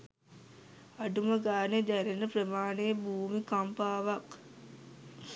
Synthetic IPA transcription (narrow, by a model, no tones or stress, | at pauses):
aɖuməɡaːned̪æɾenəprəmaːnebuːmikampaːʋak